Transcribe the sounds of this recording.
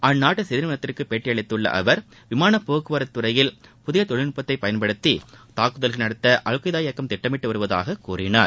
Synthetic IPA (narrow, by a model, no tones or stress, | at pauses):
ʔɐnnːaːʈːɯsɛðɪɾmɐnɐt̪ːɪrkɯpeːʈːɪjɐɭɪt̪ːɯɭːɐ̰ʔɐ̰ʋɐɾ | ʋɪmaːnɐpːoːkɯʋɐɾɐt̪ːɯrɐjɪlpʊðɪjɐt̪ɔɭɪnɯpːɐt̪ːɐɪpːɐjɐnpɐɽɯt̪ːit̪aːkːɯðɐlɣɐlnɐɽɐt̪ːɐʔɐɻɯkːɐɪðaːjɐkːɐmt̪ɪʈːɐmɪʈːɯʋɐɾɯʋɐða̰ːɣɐkuːrɪna̰ːɾ